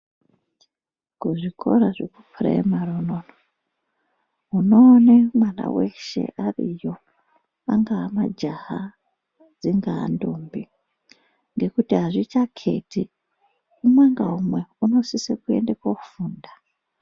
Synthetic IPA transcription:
kuʐikʰo̞ɾaʐḛkupʰurḛemaronono | uno̞ːnemwana̰weʃe̞̰ʔarijo̞ | aŋɡaamad͡ʒaɦa | d͡ziŋɡa̰ːndombi | ŋɡe̞kutiɦaʐit͡ʃakʰe̞̰tʰi | umwaŋɡaɦumwe̞uno̞sisekue̞̰ndekwofuːnda

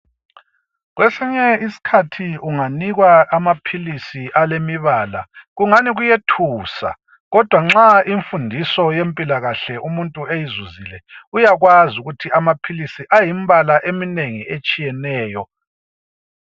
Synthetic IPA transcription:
ɣwʔesiɲɛisi̥kʰatʰiuŋaniɣwaamapʰilisiʔalemiβaːla̰ɣuŋaniɣujetʰuːsa̰ | ɣɔd̥ʱwaŋ͡ǁaiɱfundʱisɔjempʼilaɣaɬɛʔumuntʼuejizuzilɛujaɣwazuɣutʰiamapʰilisiʔajimβalaʔemineŋiet͡ʃʼijɛnɛːjɔ

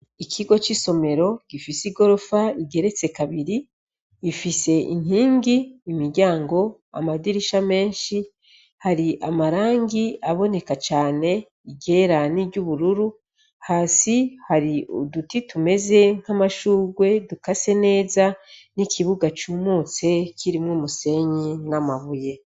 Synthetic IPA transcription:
ikʰiɡo̞t͡ʃiso̞me̞ɾo̞ɡ̥ifisiɡo̞ɾo̞faiɡe̞ɾe̞t͡se̞kaβiɾi | ifise̞ʔḭn̥hiːŋɡiːmiɾɟaːŋɡo̞ | a̰madiɾiʃame̞ːnʃi | haɾiʔamaɾaːŋɡiaβo̞ne̞kat͡ʃaːne̞ | iɟeːɾaniːɟuβuɾuɾu | haːsihaɾiṵdutitume̞ze̞ŋ̥hamaʃuːɡwe̞dukase̞ne̞ːzanikʰiβuɡat͡ʃuːmuːt͡se̞kʰiɾimŋuːmuse̞ɲinamaβuje̞

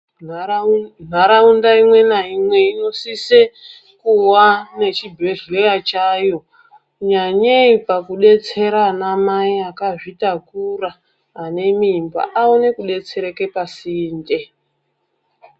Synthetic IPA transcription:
n̤aɾaundaimwe̞naimwe̞ino̞sise | kuwane̞t͡ʃibʱe̞ɮio̞jat͡ʃajo̞ | ɲaɲeipakuɗe̞t͡se̞ɾanamaiakaʐitakuraː | ne̞mimba̰ʔaonekuɗe̞t͡se̞ɾeke̞pasiːnde̞

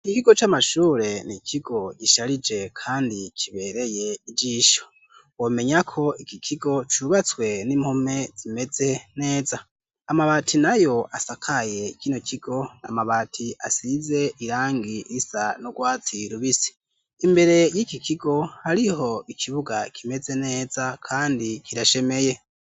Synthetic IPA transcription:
ikiɡot͡ʃamaʃuːɾe̞nikʰiɡo̞ɟiʃaɾid͡ʒe̞kʰaːndikʰiβe̞ɾe̞je̞id͡ʒiːʃo̞ | wome̞ɲakʰo̞ikikʰiɡo̞t͡ʃuβat͡swe̞nimhome̞z̥ime̞ze̞ne̞ːza | amaβatʰinajo̞ʔasakʰaje̞ikino̞kʰiɡ̥o̞na̰maβaːtʰiʔa̰size̞ʔiɾaːŋɡiisanoɡwaːt͡siɾuβisi̥ː | mbe̞ɾe̞jikikiɡo̞haɾiho̞ikʰiβuɡakʰime̞ze̞ne̞ːzakʰaːndikiɾaʃe̞me̞je̞

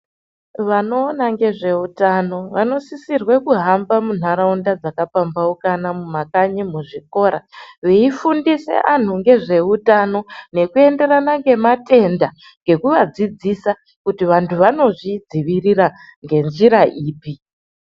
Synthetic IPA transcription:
ʋano̞ːnaŋɡe̞ʐe̞utano̞ʋano̞sisirwe̞kuɦambamun̤aɾaundad͡zakapambaukanamumakaɲimuʐiko̞ːɾa̰ʋeifundise̞̰ʔan̤uŋɡe̞ʐe̞utano̞ne̞kue̞nde̞ɾanaŋɡe̞mate̞nda | ŋɡe̞kuʋad͡zid͡zisa | kutiʋantʰuʋano̞ʐid͡ziʋiriraŋɡe̞nʐiɾaʔiːpi

